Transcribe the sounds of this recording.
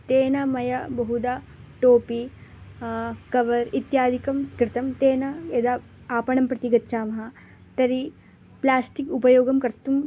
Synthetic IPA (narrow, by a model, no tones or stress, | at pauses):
t̪eːnɐmɐjɐbɐɦud̪a | ʈoːpi | kɐʋɐɾit̪jaːd̪ʱikɐmkɾɪt̪ɐmt̪eːnɐed̪ɐ | aːpɐɳɐmpɾɐt̪iɡɐtːʃaːʋɐɦɐ | t̪ɐɾi | plaːsʈikupɐjoːɡɐmkɐɾt̪um